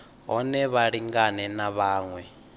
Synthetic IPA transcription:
ɦɔnɛβaɺiŋɡanɛnaβaːŋwɛ

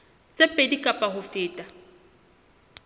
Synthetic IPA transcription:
t͡sʼepʼedikʼapʼaɦʊfɪːtʼa

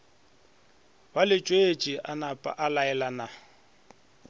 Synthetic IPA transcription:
balɪt͡ʃʼwet͡ʃʼiʔanapʼa̰ʔalaɛlana

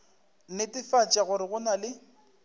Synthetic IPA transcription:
nɪtʼɪfat͡ʃʼaɣʊɾɪɣʊnalɪ

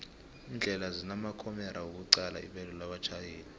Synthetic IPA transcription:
ind͡ɮʱɛlazinamakʰɔmɛɾawuk̬uǀala̰ḭɓɛlɔlaɓat͡ʃʰajeːni

